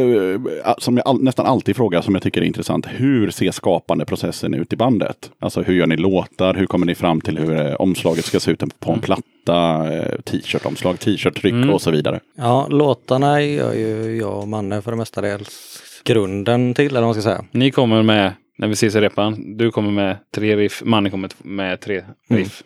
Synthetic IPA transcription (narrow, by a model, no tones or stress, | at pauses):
asɔmjaːʔanɛst̪anʔalt̪iːd̪fɾoːɡasɔmjaɡt̪ʏkːəɾɛɾɪnt̪ɾɛsa̰nt̪hʉɾseːʂkɑːpand̪əpʰɾʊsɛsːənʉ̟̰ːt̪ɪband̪ə̰t̪ʔa̰lsɔhɵɾjœːɳɪloːt̪aɾɦɵɾkʰɔmːəɳɪfɾamːt̪ʰɪlhɵɾɔ̰mslɑːɡət̪skaseːʉ̟ːt̪ɛpʰɔɛnpʰlat̪ːat̪ʰiːʃœːʈɔ̰mslɑːɡt̪ʰiːʃœːʈʰːɾʏkːɔsɔviːd̪a̰ɾə̰jɑːloːt̪aɳaœ̰jɵjɑ̰ːɔmanːəfœɖɛmɛst̪ad̪eːlsɡ̥ɾɵnd̪ənt̪ʰɪlːɛlːɾmanskasɛjːa̰nɪkʰɔmːəɾmɛ | nʔæɾvɪseːs̬ɪɾɛpːand̪ɵkʰɔmːəɾmɛt̪ʰɾeːɾɪfmanːkʰɔmːət̪ːmɛt̪ʰɾeːɾɪf